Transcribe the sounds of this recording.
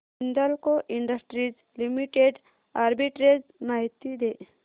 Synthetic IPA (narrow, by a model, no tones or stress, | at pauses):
ind̪əlkoʔiɳɖəsʈɾid͡ʒ | limiʈeɖ | aɾbiʈɾed͡ʒnaɦt̪ːid̪e